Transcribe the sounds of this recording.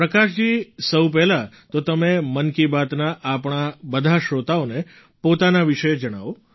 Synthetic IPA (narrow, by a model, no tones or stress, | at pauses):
pɾəkaʃd͡ʒisəwpɛɦla | t̪ot̪əmemənkibat̪naʔapɳ̃abəd̪ʱaʃɾot̪aone | pot̪anaʋiʃəed͡ʒəɽ̃aʋo